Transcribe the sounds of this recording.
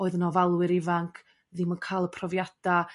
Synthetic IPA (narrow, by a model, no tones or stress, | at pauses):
oːɨðənɔvalˠwɪɾɪvaŋkʰ | ðɪmənkʰaːlˠəpʰrɔvjad̥a